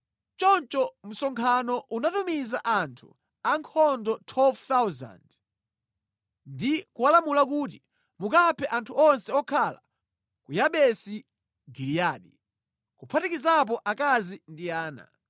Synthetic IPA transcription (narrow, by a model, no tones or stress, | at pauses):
t͡ʃɔnt͡ʃɔm̩sɔŋkʰanɔʔunatumizaʔantʰṵ | aŋkʰɔndɔtʰwɛlvt̪awza̰nd | ndikuwalamulak̬uːt̬i | mukapʰɛʔantʰuɔnsɛɔkʰala | kujaɓɛsi | ɡilijaɗi | kupʰatikizap̬ɔʔakazindiaːna̰